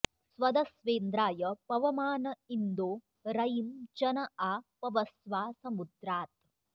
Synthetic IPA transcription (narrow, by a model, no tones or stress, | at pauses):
sʋɐd̪ɐsʋeːnd̪ɾaːjɐpɐʋɐmaːnɐind̪oː | ɾɐjimd͡ʒɐnɐaːpɐʋɐsʋaːsɐmud̪ɾaːt̪